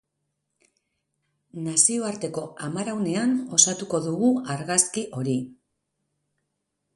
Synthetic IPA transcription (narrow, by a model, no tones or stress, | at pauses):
nasio̞aɾt̪e̞ko̞amaɾawne̞ano̞sat̪uko̞ðuɣuaɾɣaskiʔo̞ɾi